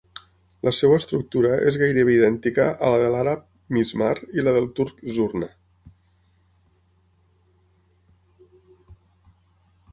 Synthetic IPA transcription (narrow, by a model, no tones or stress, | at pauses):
lʔəsewəst̪ɾuk̚t̪uɾəʔḛzɣajɾəβeiðɛnt̪ikəʔələðəlaɾap̚ | mizmaɾiləðəlˠt̪uɾkzurnə